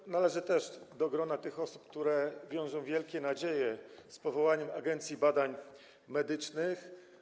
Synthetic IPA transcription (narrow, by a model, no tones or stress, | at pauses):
nalɛʐɘt̪ɛʂd̪ɔɡɾɔnat̪ɘxɔsup̚k̚t̪uɾɛvʲjɔ̃w̃ʐɔ̃w̃vʲjɛlkʲɛnad͡ʑejɛspɔvɔwaɲɛmaɡɛnt̪sʲjibad̪aɲ | mɛd̪ɘt͡ʂnɘx